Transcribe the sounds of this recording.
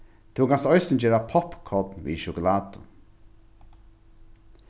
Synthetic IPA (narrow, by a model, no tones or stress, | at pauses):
t̪ʰɪwŋkʰanst̪ɔjsɪnd͡ʒeːɾapʰɔpkʰɔt̪nʋḭːʃʊkʊlaːt̪ʊ̰